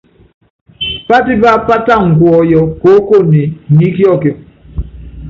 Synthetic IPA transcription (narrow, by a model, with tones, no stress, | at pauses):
pa˦ti˦ba˦˨pa˦ta˦˨ŋ̩˨kwɔ˨jɔ˦ko˦ko˦˨ni˨ni˦kjɔ˦˨ke˨